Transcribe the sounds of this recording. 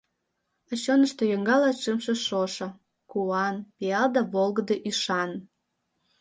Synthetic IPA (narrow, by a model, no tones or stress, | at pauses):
əɕonəʃt̪ojəŋɡɑlɑʃəmʃĕʃoʃɤ̆ | kuɑnpiɑld̪ɑβolɡə̆d̪eʔyʃɑn